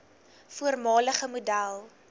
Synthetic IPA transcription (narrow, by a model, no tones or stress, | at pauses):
fuərmɑːləχəmudælˠ